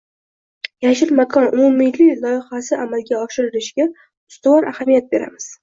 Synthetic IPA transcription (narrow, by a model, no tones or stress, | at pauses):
jaʃɪɾmakʰɒnʊmumɪjlɪkʲlˠɒjɪχasɪamalɡʲaɒʃɪɾɪɾɪʃɡʲa | ʊst̪ʊwɒɾʔahamijat̪̚be̞ɾa̰mɪz̥